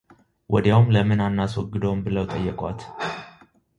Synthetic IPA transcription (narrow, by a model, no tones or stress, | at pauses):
wʔɔd̪jawumləmɨnanːaswɔɡːɨd̪owmbɨləwt̪ʼəjːɛkʼwat̪